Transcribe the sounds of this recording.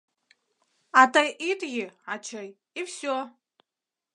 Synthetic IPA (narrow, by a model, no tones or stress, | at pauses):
atʰajʔitʼɡʲɪat͡ʃʰaj | ifso